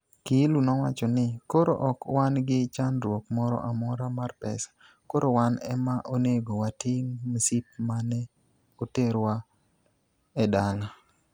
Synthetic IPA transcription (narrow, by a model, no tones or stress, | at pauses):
kilunɔwat͡ʃɔnɪkoɾo̰ʔɔkwanɡɪt͡ʃanɾwokmɔɾɔ̰ʔamɔɾamarpɛsḁ | koɾowanɛ̰maʔoneɡowatɪŋmsip̚manɛ | oteɾwa | ɛdaŋa